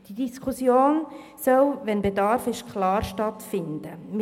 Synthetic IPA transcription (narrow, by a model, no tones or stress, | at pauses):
d̥idiskʰusjoːn | sœwʋɛnbedɑɾfɪʃkʰlɑːɾʃtɑtfɪnd̥̪əm